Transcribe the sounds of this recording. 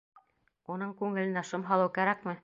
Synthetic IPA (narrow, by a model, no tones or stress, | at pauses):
unɤɴkʉŋɘ̆lɘ̆næʃɤmɦɑlˠɤwkæɾækmɘ